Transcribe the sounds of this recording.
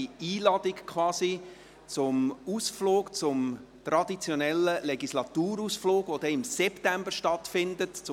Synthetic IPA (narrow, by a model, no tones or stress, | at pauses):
iːlɑd̥ikkʰʋɑːsi | t͡sʊmusfloːkt͡sʊm | t̪ɾɑdit͡sjɔnɛləlɛɡislɑt̪uːɾusfloːɡʋod̥̪ɛɪmsɛptæmbəɾʃtɑtfɪndətt͡s